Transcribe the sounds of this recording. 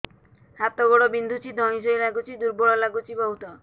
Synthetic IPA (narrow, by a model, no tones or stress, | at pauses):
ɦat̪ɔɡoɽɔbind̪ʱut͡ʃʰid̪ʱɔñĩs̬ojlaɡut͡ʃʰid̪uɾboɭɔlaɡut͡ʃʰibɔɦut̪ɔ